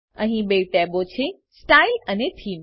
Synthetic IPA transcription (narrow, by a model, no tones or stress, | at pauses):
əɦĩbeːʈɛːbot͡ɕʰe | sʈaːilənet̪ʰiːm